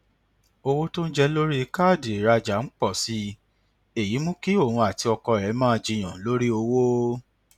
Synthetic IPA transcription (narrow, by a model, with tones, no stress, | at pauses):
o˧wo˦to˦n̩˦d͡ʒɛ˧lo˦ɾi˦˧ka˦˨de˨i˨ɾa˧d͡ʒa˨˦n̩˦k͡pɔ˦˨si˨˦ | e˦˨ji˨˦mũ˦ki˦o˦˨hũ˧a˨ti˧ɔ˧kɔ˧˨ɾɛ˨˦mãː˦˧d͡ʒi˧j̃ã˨˦lo˦ɾi˦o˧wo˦